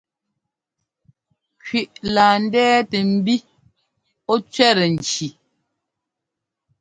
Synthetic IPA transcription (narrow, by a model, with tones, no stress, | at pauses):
kɥi˨ʔlaː˨n̩˦dɛː˦te˨m̩˦bi˦ | ɔ˦t͡ʃɥɛ˦ɾe˨n̩˨t͡ʃi˨